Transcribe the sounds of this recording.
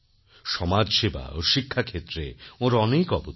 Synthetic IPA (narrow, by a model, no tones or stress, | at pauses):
ʃɔmad͡ʑʃeba̰oʃikʰːakʰet̪ːɾeoɾɔnekɔbo